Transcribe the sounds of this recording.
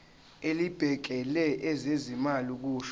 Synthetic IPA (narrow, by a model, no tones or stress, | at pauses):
elib̥ʱɛk̬ɛlɛʔɛzezimaliuk̬uːʃ